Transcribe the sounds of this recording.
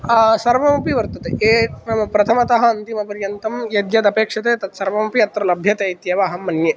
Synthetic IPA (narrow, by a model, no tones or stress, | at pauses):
sɐɾʋɐmɐpiʋɐɾt̪ɐt̪eeːpɾɐt̪ʰɐmɐt̪ɐɦɐɐnt̪imɐpɐɾjɐnt̪ɐmjɐd̪jɐd̪ɐpeːkʂɐt̪eːt̪ɐt̪sɐɾʋɐmɐpiɐt̪ɾɐlɐbʱjɐt̪eit̪jɐʋaːɦɐmːɐnje